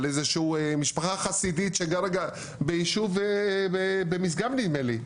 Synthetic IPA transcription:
lezeʃuemiʃpaχaχasidit̪ʃeɡaɾaɡa | bejiʃuvebebemis̬ɡamnid̪meli

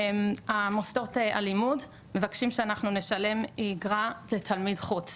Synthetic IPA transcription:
mamost̪oʁteʔa̰limud | me̞vakʃimʃeanaχnune̞ʃale̞miɡʁale̞t̪ʰalmidχut͡s

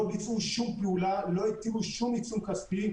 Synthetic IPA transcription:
bit͡sʼuʃumpuːlaloet̪ːiɡuʃumit͡sumkʰɐspi

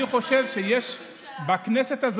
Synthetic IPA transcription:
iχo̞ʃe̞vʃejeʃ | bakne̞se̞t̪az

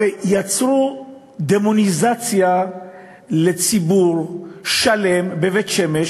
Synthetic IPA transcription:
ejat͡sʁu | d̪emonizat͡sja | let͡sibuʁʃalembevet̪ʃemeʃ

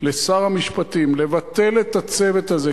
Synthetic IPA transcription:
lesaʁhamiʃpat̪imle̞vat̪e̞let̪at͡sevet̪aze

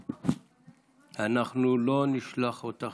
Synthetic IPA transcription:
anaχnulo̞niʃlaχot̪a

